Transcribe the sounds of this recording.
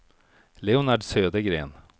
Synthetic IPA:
leʊnaɖsøːd̪əɡɾḛːn

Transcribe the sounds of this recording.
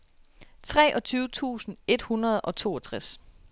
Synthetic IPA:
t͡sʰʁɛ̰ːʔɒ̽t͡sʰyːʊt͡sʰṵːsn̩e̝d̥hunɐð̞̩ˠɒ̽t͡sʰo̝̰ːɒt͡sʰʁas

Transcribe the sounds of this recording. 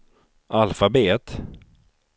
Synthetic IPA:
ʔalfabeːt̪

